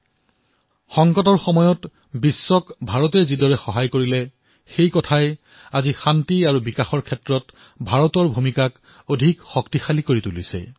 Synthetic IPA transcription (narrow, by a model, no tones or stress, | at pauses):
xɔŋkɔtɔɹxɔmɔjɔt | bisːɔkbʱaɹɔtɛzidɔɹɛxɔɦajkoɹilɛ | xejkɔtʰaj | azixantiaɹubikaxɔɹkʰɛtɹɔt | bʱaɹɔtɔɹbʱumikak | odʱikxɔktixalikoɹitulḭsɛ̰